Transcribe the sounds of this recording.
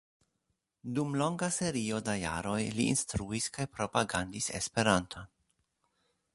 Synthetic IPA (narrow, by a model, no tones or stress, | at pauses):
dumlo̞ŋɡase̞ɾio̞daja̰ɾo̞jlḭːnstɾuiskajpɾo̞paɡandise̞̰spe̞ɾantʰon